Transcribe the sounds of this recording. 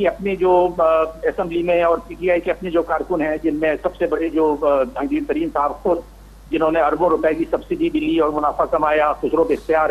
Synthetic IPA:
kiɐpned͡ʒoːɛsɛ̃mblimẽɔːɾpiːʈiaːikeɐpned͡ʒoːkaːɾkʊnɦɛ̃d͡ʒɪnmẽsɐbsebɐɽed͡ʒoːd̪ʱɐ̃ŋd̪iːɾt̪ɐɾiːmsaːʋʊd̪̚ | d͡ʒɪnɦõnẽɐɾbõɾʊpɛkisɐbsɪd̪ʱibʱiliɔːɾmʊnaːfakɐmaːjaxʊsɾõbeɪxt̪ijaːɾɛ

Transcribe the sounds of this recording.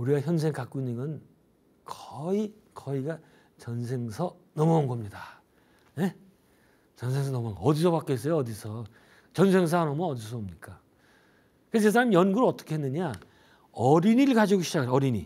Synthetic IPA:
uɾiɡaçjʌnsʰeŋkak͈uinɯŋɯn | kʌikʌiɡa | t͡ɕʌnsʰe̞ŋsʰʌ | nʌmʌanɡʌmɲida | ne̞ | t͡ɕʌnsʰeŋs̬ʰʌnʌmanɡʌʌdisʰʌpak͈ees͈ʌjoʌdisʰʌ | t͡ɕʌnsʰe̞ŋs̬ʰanʌmʌʌdis̬ʰʌomɲik͈a | kɯest͡ɕe̞sʰaɾamijʌnɡuɾɯʌt͈ʌ̥kʰe̞ɦenːɯɲa | ʌɾiɲiɭɡad͡ʑiɡoɕʰid͡ʑakɡɯʌɾiɲi

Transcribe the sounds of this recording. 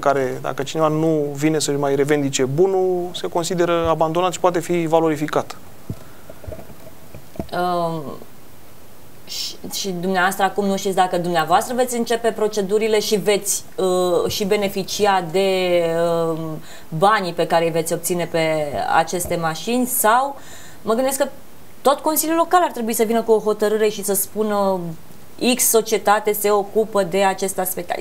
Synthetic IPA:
kaɾe̞d̪a̰kət͡ʃine̞vanuvine̞səʃmajɾe̞ve̞nd̪it͡ʃe̞bunuse̞ko̞nsid̪e̞ɾəaband̪o̞nat̪ʃi̥poat̪e̞fivalo̞ɾifikat̪ | ə | ʃid̪umneavoast̪ɾəakumnuʃt̪it̪sʲd̪akəd̪umneavoast̪ɾəve̞t̪sʲɨnt͡ʃe̞pe̞pɾo̞t͡ʃe̞d̪uɾile̞ʃive̞t̪sʲ | əʃibe̞ne̞fit͡ʃiad̪e̞ə | banipe̞kaɾe̞jvet̪sʲo̞bp̚t̪sine̞pe̞a̰t͡ʃe̞st̪e̞maʃinʲsaw | məɡɨnd̪eskə | t̪o̞t̪ko̞nsilʲjulo̞kalart̪ɾe̞buisəvinəkuo̞ɦo̞t̪əɾɨɾe̞ʃisəspunə | iksːo̞t͡ʃie̞t̪at̪e̞se̞o̞kupəd̪e̞at͡ʃe̞st̪easpe̞k̚t̪ḛ

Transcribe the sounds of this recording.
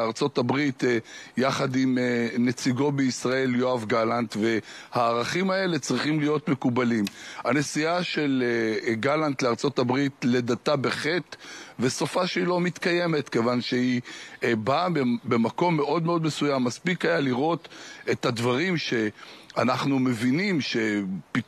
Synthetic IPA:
aʁt͡so̞tabʁit̪jaχadimenet͡siɡo̞beisʁae̞ljoavɡalant̪ve̞haːʁaχimae̞le̞t͡sʁiχimlijo̞t̪mekubalimane̞siaʃe̞leɡalant̪leaʁt͡so̞tabʁitle̞databe̞χe̞t̪ve̞sofaʃeilo̞mit̪kaje̞me̞tke̞vanʃeibabe̞mako̞mːe̞ʔo̞d̪meo̞dme̞sujamːaspikajaliʁo̞t̪et̪hadvaʁimʃe̞anaχnume̞vinimʃe̞pi

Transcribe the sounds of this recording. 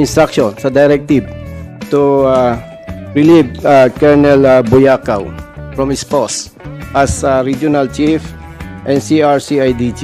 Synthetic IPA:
ɪ̃nst̪ɾakʃõnsɐd̪ɐjɾɛk̚t̪ib̚ | t̪ua | ɹɪlivakɛɹnɛlbʊjakawfɹɔmɪspos | ʔɐsaɾid͡ʒʊnalt͡ʃif | ʔɛ̃nsiaɹsiajd̪it͡ʃ

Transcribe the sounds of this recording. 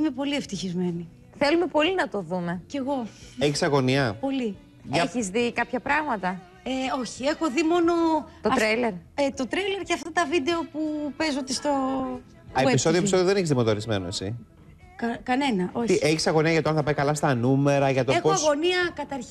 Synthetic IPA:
ime̞po̞lie̞ft̪içizme̞ni | θelumepo̞linɐt̪o̞ðume̞ce̞ɣo̞eçisɐɣo̞niɐpo̞li | ʝɐçizðikɐpçɐpɾɐɣmɐt̪ɐ | eo̞çie̞xo̞ðimo̞no̞t̪oɐt̪ɾɐleɾet̪o̞t̪ɾɐjle̞ɾceɐft̪ɐt̪ɐvid̪e̞o̞pupe̞zo̞t̪ist̪o̞ | ɐeepisso̞ðiopisoðjoðeneçizðimot̪oɾizmḛnoesḭ | kkɐne̞nɐʔo̞çt̪iʔeçisɐɣo̞niɐʝɐt̪oɐnθɐpɐjkɐlɐst̪ɐnume̞ɾɐʝɐt̪oexoɐɣo̞niɐkɐt̪ɐɾç

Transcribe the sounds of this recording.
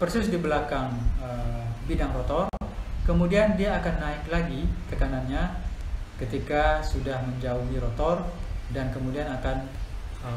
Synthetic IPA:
pərsɪsdibəlakaŋəbidaŋɾot̪ɔrkəmudiandiaːkanːaɪklaɡit̪əkananɲa | kət̪ikasudahməɲd͡ʒauɦiɾɔt̪ɔrdankəmudianakan | ə

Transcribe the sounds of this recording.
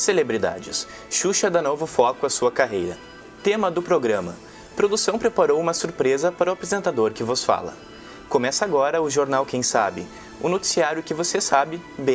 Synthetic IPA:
selebɾid̪a̰d͡ʒɪs | ʃuʃɐd̪anovʊfɔkʊɐsuɐkaɦejɾɐ | t̪ẽmɐd̪ʊpɾoɡɾɐ̃mɐ̰ | pɾod̪usɐ̃w̃pɾepaɾowũmɐsuɾpɾezɐpaɾɐʊapɾezẽnt̪ad̪oɾkɪvosfa̰lɐ̰ | komɛsɐaɡɔɾɐʊʒoɾnawkẽj̃sabɪ̰ | ʊnot͡ʃi̥siaɾʲjʊkɪvosesabɪbẽj̃

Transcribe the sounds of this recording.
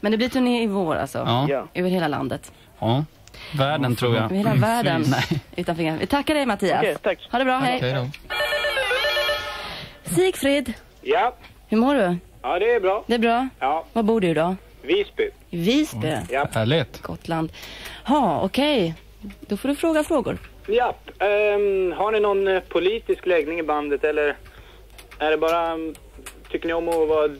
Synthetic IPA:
mɛnd̪ɛblɪɾt̪ʰɵneɪvoːɾa̰lsɔ̰ʔøːvəɾheːlala̰nd̪ət̪ː | væːɖənt̪ʰɾuːjaheːlavæːdənnɛʔʉ̟ːt̪anfœɾɪŋːavɪ̰t̪ʰakːaɖɛjmat̪ʰiːa̰st̪ʰahaːɖɵbɾɑːɦɛj | siːkfɾɪd̪ | jap | hɵɾmoːɖɵ | ɑd̪ɛbɾɑːd̪ɛːbɾɑːjɑːvabuːɖɵɪd̪ɑ | viːsbɪ | viːsbejahæːɭɪt̪ɡ̥ɔ̰t̪ʰːland̪hɑɔ̰kʰɛj | d̪̥ɔfoːɖɵfɾoːɡafɾoːɡʊ̰ɾ | japː | ɦaɳɪnɔnpʰʊliːt̪ɪsklɛɡnɪŋɪband̪ət̪ɛlːəɾ | æɖɛbɑːɾa | t̪ʰʏkːəɳɪɔmːɔva

